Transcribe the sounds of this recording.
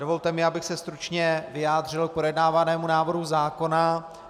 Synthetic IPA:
do̞vo̞lt̪ɛmɪabɪxsɛst̪ɾut͡ʃɲɛvɪjaːd̪r̝ɪlk̚pɾojɛdnaːvanɛːmunaːvr̩ɦuzaːko̞na

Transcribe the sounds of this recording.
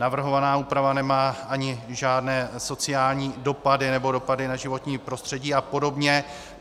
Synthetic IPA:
navr̩ɦo̞vanaːuːpɾavanɛmaːʔaɲɪʒaːdnɛːso̞t͡sɪjaːlɲiːdo̞padɪnɛbo̞do̞padɪnaʒɪvo̞t̪ɲiːpɾo̞st̪r̝̥ɛɟiːapo̞do̞bɲɛ

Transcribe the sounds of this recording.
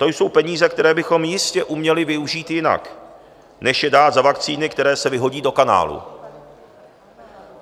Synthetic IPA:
t̪o̞jso̞wpɛɲiːzɛkt̪ɛɾɛːbɪxo̞mjɪscɛʔumɲɛlɪvɪuʒiːt̪jɪna̰k | nɛʃjɛdaːt̪zavakt͡siːnɪkt̪ɛɾɛːsɛvɪɦo̞ɟiːdo̞kana̰ːlṵ

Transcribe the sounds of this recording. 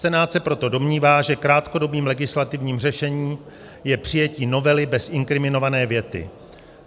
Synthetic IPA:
ɛnaːt̪sɛpɾo̞t̪o̞do̞mɲiːvaːʒɛkɾaːt̪ko̞do̞biːmlɛɡɪslat̪ɪvɲiːmr̝ɛʃɛɲiː | jɛpr̥ɪjɛciːno̞vɛlɪbɛsʔɪŋkɾɪmɪno̞vanɛːvjɛt̪ɪ̰

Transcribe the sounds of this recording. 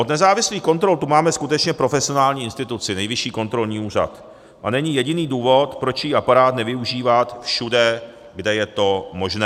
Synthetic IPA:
ʔod̪nɛzaːvɪsliːxko̞nt̪ɾo̞lt̪umaːmɛskut̪ɛt͡ʃɲɛpɾo̞fɛsɪo̞naːlɲiːɪnst̪ɪt̪ut͡sɪnɛjvɪʃiːko̞nt̪ɾo̞lɲiːuːra̰t̪ | ʔa̰nɛɲɪjɛɟɪniːduːvo̞t̪pɾo̞t͡ʃjiːapaɾaːt̪nɛvɪuʒiːvat̪fʃudɛ | ɡdɛjɛt̪o̞mo̞ʒnɛː

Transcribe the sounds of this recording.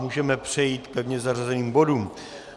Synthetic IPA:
muːʒɛmɛpr̝̥ɛjiːt̪pɛvɲɛzarazɛniːmbo̞duːm

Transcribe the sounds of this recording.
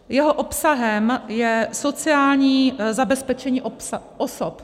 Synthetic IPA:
jɛɦoʔopsaɦɛmjɛso̞t͡sɪaːlɲiːzabɛspɛt͡ʃɛɲiːʔʔosop

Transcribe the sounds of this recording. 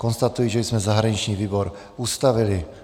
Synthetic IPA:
kɔnst̪at̪ujiʒɛzmɛzaɦɾaɲit͡ʃɲiːviːbɔɾ | ust̪aʋili

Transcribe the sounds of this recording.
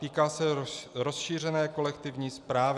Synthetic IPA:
t̪iːkaːsɛɾo̞sʃiːr̝ɛnɛːko̞lɛkt̪ɪvɲiːspɾaːv

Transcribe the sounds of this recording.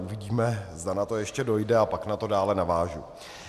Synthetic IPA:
ʔuvɪɟiːmɛzdanat̪o̞jɛʃcɛdo̞jdɛapaknat̪o̞daːlɛnavaːʒu

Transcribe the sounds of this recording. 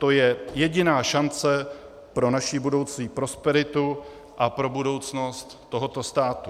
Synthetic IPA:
t̪o̞jɛjɛɟɪnaːʃant͡sɛ | pɾo̞naʃɪbudo̞wt͡siːpɾo̞spɛɾɪt̪u | ʔapɾo̞budo̞wt͡sno̞st̪ːo̞ɦo̞t̪o̞st̪aːt̪u

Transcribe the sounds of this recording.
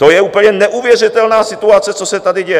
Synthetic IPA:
t̪ojɛuːpl̩ɲɛnɛʔuvjɛr̝ɪt̪ɛlnaːsɪt̪uat͡sɛt͡sosɛt̪adɪɟɛj

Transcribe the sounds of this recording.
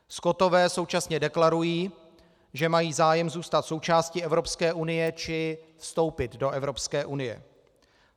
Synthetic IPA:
sko̞t̪o̞vɛːso̞wt͡ʃasɲɛdɛklaɾujiː | ʒɛmajiːzaːjɛmzuːst̪at̪so̞wt͡ʃaːscɪɛvɾo̞pskɛːʔunɪjɛt͡ʃɪfst̪o̞wpɪt̪do̞ʔɛvɾo̞pskɛːʔunɪjɛ̰

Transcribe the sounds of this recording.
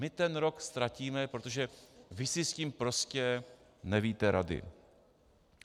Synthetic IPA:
mɪt̪ɛnɾo̞kst̪ɾaciːmɛpɾot̪o̞ʒɛvɪsɪsciːmpɾo̞scɛ | nɛviːt̪ɛɾa̰dɪ̰

